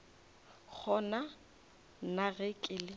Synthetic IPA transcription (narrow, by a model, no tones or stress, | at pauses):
k͡xʰɔna | naɣɪkʼɪlɪ